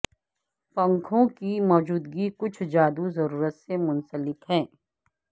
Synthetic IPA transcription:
pɐ̃ŋkʰõkimɔːd͡ʒuːd̪ɡikʊt͡ʃʰd͡ʒaːd̪uzɐɾuːɾət̪semʊnsəlɪkɦɛ̃ː

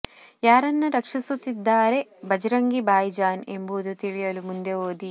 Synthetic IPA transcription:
jaːɾɐnːɐɾɐkʂisut̪ːid̪ːaːɾe̞bɐd͡ʒɐɾɐŋɡibaːjd͡ʒaːnembuːd̪ut̪iɭijɐlumund̪e̞oːd̪i

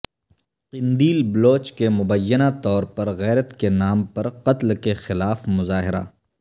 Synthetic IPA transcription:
qɪnd̪iːlbloːt͡ʃkemʊbəjːənat̪ɔːɾpɐɾɣɛːɾət̪kenaːmpɐɾqɐt̪lkexɪlaːfmʊzaːɦɪɾa̰

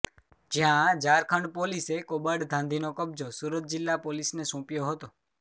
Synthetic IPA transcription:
d͡ʒjãd͡ʒaɾkʰəɳɖpolisekobəɖd̪ʱãnd̪ʱinokəb̚d͡ʒosuɾət̪̚d͡ʒɪlːapolisnesũpjoɦət̪o

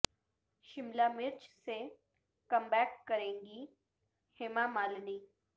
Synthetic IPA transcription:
ʃɪmlamɪɾt͡ʃse | kɐ̃mbɛːkːɐɾẽːŋɡi | heːmamaːlniː

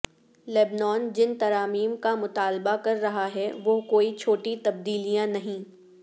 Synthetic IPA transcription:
lɛːbnɔːnd͡ʒɪnt̪ɐɾaːmiːmkamʊt̪aːlbakɐɾːɐɦaɦɛʋokoːit͡ʃʰoːʈit̪ɐb̚d̪iːlijãnɐɦĩː

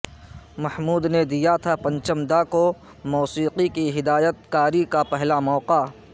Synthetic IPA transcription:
mɐhmuːd̪ned̪ijat̪ʰapɐ̃ɲt͡ʃəmd̪ako | mɔːsiːqikiɦɪd̪aːjət̪̚kaːɾikapɛɦlamɔːqa

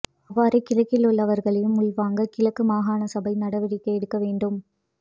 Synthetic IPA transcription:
ɐʋːaːɾɐɪkːɪlɐkːɪlʊɭːɐʋɐɾɣɐɭɐjɯmʊlʋaːŋɡɐkɪlɐkːɯmaːɣaːnɐsɐbɐɪnɐɽɐʋɐɾɪkːɐɛɽɯkːɐʋeːɳɖɯm

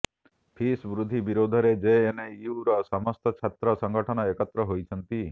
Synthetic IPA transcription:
pʰisbɾud̪ʱibiɾod̪ʱɔɾed͡ʒeːneiuɾɔsɔmɔst̪ɔt͡ʃʰat̪ɾɔsɔŋɡʱɔʈʰɔnɔekɔt̪ɾɔɦojt͡ʃʰɔnt̪i

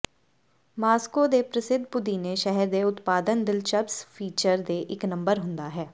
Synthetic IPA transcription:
maːskoːd̪eːpɾəsɪd̪ʱpʊd̪iːneːʃɛɦɛɾd̪eːʊt̪paːd̪ənd̪ɪlt͡ʃəpspʰiːt͡ʃəɾd̪eːʔɪknə̃mbəɾɦʊ̃nd̪aːɦɛː

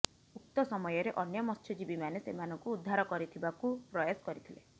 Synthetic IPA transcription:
uk̚t̪ɔsɔmɔjɔɾeʔɔnjɔmɔst̪ʰɔd͡ʒibimanesḛmanɔŋkuːd̪ʱːaɾɔkɔɾit̪ʰibakupɾɔjɔsɔ̥kɔɾit̪ʰile

